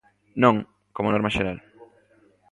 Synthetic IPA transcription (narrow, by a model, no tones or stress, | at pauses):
nõŋ | komonɔɾmaʃeɾal